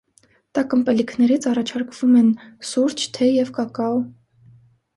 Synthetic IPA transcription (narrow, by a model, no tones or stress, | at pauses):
t̪ɑkəmpɛlikʰnɛɾit͡sʰɑrɑt͡ʃʰɑɾkʰv̥umɛnsuɾt͡ʃʰt̪ʰɛjɛvkɑkɑw